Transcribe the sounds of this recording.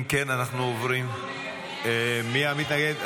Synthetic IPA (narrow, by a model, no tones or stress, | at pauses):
mkenanaχnuovɾim | emiamit̪naɡed̪